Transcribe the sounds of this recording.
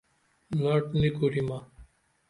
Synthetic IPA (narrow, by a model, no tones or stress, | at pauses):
laʈnikuɾima